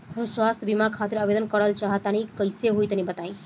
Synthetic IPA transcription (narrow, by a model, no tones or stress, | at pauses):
oswast̪ʰbimakʰat̪iɾəbed̪ənkəɾəlt͡ʃaɦət̪anikəjseɦojt̪nibət̪aj̃